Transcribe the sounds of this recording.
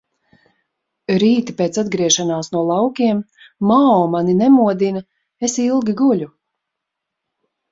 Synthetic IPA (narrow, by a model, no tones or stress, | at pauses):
ɾiːt̪ipeːt̪sad̪ɡɾiɛʃanaːsnuɔlˠɑwkʲiɛm | maɔːmaninɛmuɔd̪ina | esilˠɡʲiɡulʲu